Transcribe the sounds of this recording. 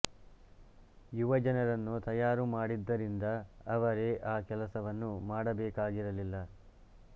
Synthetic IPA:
juʋɐd͡ʒɐnɐɾɐnːut̪ɐjaːɾumaːɽid̪ːɐɾind̪ɐːʋɐɾe̞ʔaːkɛlɐsɐʋɐnːumaːɽɐbɛːkaːɡiɾɐlilːɐ

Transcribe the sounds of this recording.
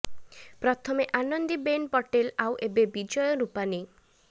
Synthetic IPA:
pɾɔt̪ʰɔmeʔanɔnd̪ibenpɔʈelawʔebebid͡ʒɔjɔɾupani

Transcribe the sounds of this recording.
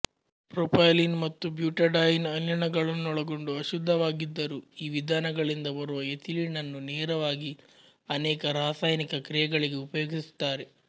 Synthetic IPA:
pɾoːpʰɐjlinmɐt̪ːubjuːʈɐɖaːjinɐnjɐɳɐɡɐɭɐnːɔɭɐɡo̞ɳɖuɐʃud̪ʱːɐʋaːɡid̪ːɐɾuːiːʋid̪ʱaːnɐɡɐɭind̪ɐbɐɾuʋɐet̪ʰiliɳɐnːunɛːɾɐʋaːɡi | ɐnɛːkɐɾaːsaːjɐnikɐkɾijɐɡɐɭiɡe̞upɐjoːɡist̪ːaːɾe

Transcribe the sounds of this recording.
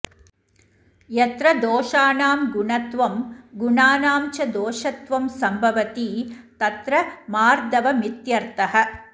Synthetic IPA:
jɐt̪ɾɐd̪oːʂaːnaːmɡuɳɐt̪ʋɐmɡuɳaːnaːmt͡ʃɐd̪oːʂɐt̪ʋɐmsɐmbʱɐʋɐt̪iːt̪ɐt̪ɾɐmaːɾd̪ɐʋɐmit̪jɐɾt̪ɐɦɐ

